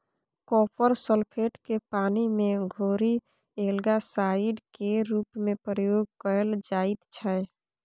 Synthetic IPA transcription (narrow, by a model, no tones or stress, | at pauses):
kɔpʰəɾsəlpʰeʈkepaːnimẽɡʱoɾi | elɡasaiɖkeɾuːpmepəɾəjoːɡ̚kəəld͡ʒait̪t͡ʃʰəj